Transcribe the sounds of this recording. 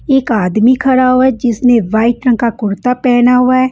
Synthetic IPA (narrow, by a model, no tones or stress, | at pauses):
ɪkaːd̪miːkʰəɾaːɦoɛːd͡ʒɪsnẽːʋaːiʈɾə̃ŋkakʊɾt̪aːpɛːnaɦoaːɛː